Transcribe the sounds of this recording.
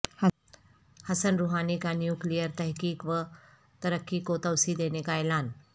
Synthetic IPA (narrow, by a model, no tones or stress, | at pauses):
ha | həsənɾuɦanikanjuklijəɾt̪əɦkiːkʋə | t̪əɾəkʰːikot̪əwsid̪enekajlan